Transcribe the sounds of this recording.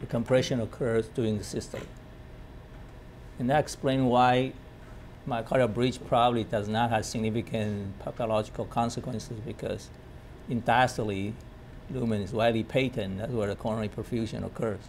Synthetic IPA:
ðɨkʰə̃mpʰɹ̥ɛʃɨ̃nəkʰɜ˞zduɹɪ̃ŋðɨsɪstə̰lˠi | ɨ̃nðɨtɨksplẽɪ̃nwaɪ | maɪkʰɑɹəbɹit͡ʃpʰɹ̥ɑbblidʌznət̚hɨv̥sɪɡ̚nɪfɨkʰɨ̃npʰakəlɑd͡ʒɨkəl̩ˠkʰɑ̃nsəkwə̃nsɨzbɨkʰʌ̰z | ɨ̃ntæstəlˠi | lumɨ̃nɨzwaɪdˡlipʰeɪɾɨ̃nðætswə˞ðɨkʰɔñ̩ipʰə˞fjʉʒɨ̰̃nə̰kʰɜ˞z̥

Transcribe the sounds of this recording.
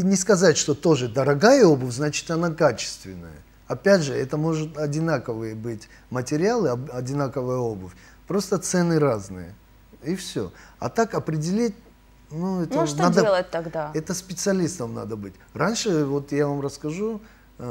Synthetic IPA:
nʲɪskɐzatʲʂt̪o̞t̪o̞ʐɨd̪əɾɐɡajəo̞bʊfʲznat͡ɕɪ̥t̪ɐnakat͡ɕɪ̥st̪vʲɪnːəjə | ɐpʲædʲʐɨɛt̪əmo̞ʐɨt̪ɐdʲɪnakəvɨjəbɨtʲ | mətʲɪɾʲɪalˠɨɐɐdʲɪnakəvəjəo̞bʊfʲ | pɾo̞st̪ət̪sɛnɨɾaznɨjə̰ | ifsʲɵ̰ɐ̰t̪akɐpɾʲɪdʲɪlʲitʲ | nuɛtmənad̪əelˠət̚ʲt̪aɡd̪aɛt̪əspʲɪt̪sɨɐlʲist̪əmna̰d̪əbɨtʲranʲʂɨvo̞t̪javamrəskɐʐu

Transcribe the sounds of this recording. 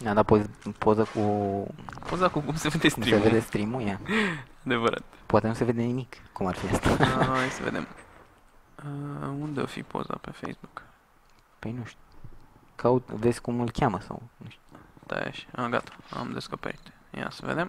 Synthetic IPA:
d̪ad̪apopʰozaku | pozakukumseved̪eskumɾiseved̪est̪ɾimujaad̪evəɾa̰t̪poat̪e̞nuse̞ve̞d̪e̞nimikːumarfiast̪aajsəvḛd̪e̞̰m | əund̪eofḭpʰo̞̰za̰pefḛjsbuk | pejnuʃt̪i̥ | kʰaut̪vezʲkumɨlkʲaməsa̰wnuʃt̪i̥t̪a̰ja̰ʃaɡat̪ḁa̰md̪eskopeɾit̪ | ja̰səved̪em

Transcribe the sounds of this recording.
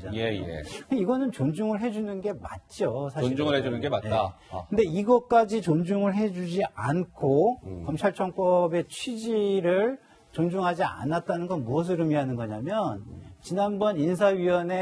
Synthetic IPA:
d͡ʑaeḛkɯniɡʌnɯnt͡ɕond͡ʑuŋɯɭɦe̞d͡ʑunɯnɡe̞ma̰t̚t͡ɕ͈osʰaɕid͡ʑuŋɯɭeunɯnɡema̰j͈a | kɯnde̞iɡʌk͈ad͡ʑit͡ɕond͡ʑuŋɯɭɦe̞d͡ʑud͡ʑiankʰokʌmt͡ɕʰaɭt͡ɕʰʌŋp͈ʌbe̞t͡ɕʰɥid͡ʑiɾɯɭ | t͡ɕond͡ʑuŋɦad͡ʑia̰nat̚t͈anɯnɡʌnmuʌs̬ʰɯɾɯmiɦanɯnɡʌɲamjʌnt͡ɕinanbʌninsʰaɥiwʌne̞

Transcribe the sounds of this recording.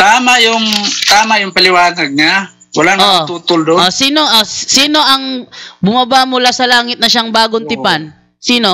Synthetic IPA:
t̪aːmajʊŋt̪aːmajʊŋpɐlɪwaːnɐɡ̚ɲa | wɐlaŋɐouːt̪ʊld̪oosiːnoʔosiːno̞ʔɐŋbʊmɐbamʊlasɐlaːŋɪt̪nɐʃaŋbaːɡont̪ɪpan | siːno̞

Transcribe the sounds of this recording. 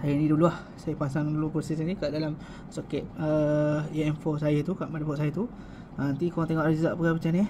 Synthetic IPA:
sajanĩduluah | sajapasaŋdulupəsisinikaʔdalam | sokɛt̪̚əiɛmfɔsajat̪ukaʔmadabɔʔ̚sajat̪u | naant̪ikɔŋt̪eŋɔʔrizaʔpəkapət͡ʃan

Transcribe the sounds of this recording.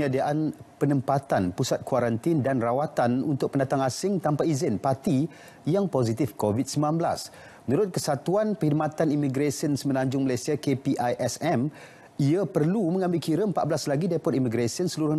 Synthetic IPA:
adiaʔanpənə̃mpat̪anpusat̪̚kwaɾant̪indanrawat̪anunt̪ʊk̚pəndat̪aŋasɪŋt̪ampaizɪnpart̪i | jaŋpozit̪ɪfkovid̪̚səmblanbəla̰s | mənuɾʊt̪̚kəsat̪uanpəhidmãt̪animiɡɾesiənsəmənãɲd͡ʒʊŋməlajsiakepiʔajʔɛsɛm | iapərlumə̃ŋãmbɪlkiɾəmpa̰ʔbəlaslaɡidepɔt̪imiɡɾasiənsəluɾʊh

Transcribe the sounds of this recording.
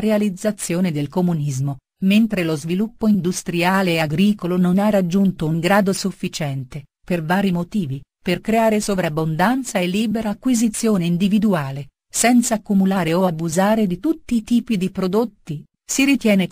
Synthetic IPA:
ɾealid̪zːat̪sːjoːned̪elkomunizmo | ment̪ɾelozvilupːoind̪ust̪ɾiaːleːaɡɾiːkolononarad͡ʒːunt̪ouŋɡɾaːd̪osufːit͡ʃɛnt̪e | pervaːɾimot̪iːviperkɾeaːɾesovɾabːond̪ant̪saelːiːbeɾaːkːwizit̪sːjoːneind̪ivid̪uaːle | sɛnt̪saːkːumulaːɾeoabuzaːɾed̪it̪ut̪ːiːt̪iːpid̪ipɾod̪ot̪ːi | siɾit̪jɛːne

